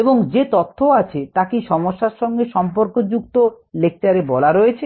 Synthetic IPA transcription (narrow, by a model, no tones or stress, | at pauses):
eboŋd͡ʑet̪ot̪ʰːoat͡ɕʰet̪akiʃɔmoʃːaɾʃɔŋɡeʃɔmpoɾkod͡ʑukt̪o | lek̚t͡ɕaɾebɔlaɾojet͡ɕʰe